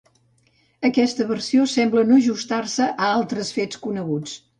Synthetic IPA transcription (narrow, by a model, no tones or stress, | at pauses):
əkɛst̪əβərsiosɛmblənoʒust̪arsəʔəalˠt̪ɾəsfet͡skunəɣut͡s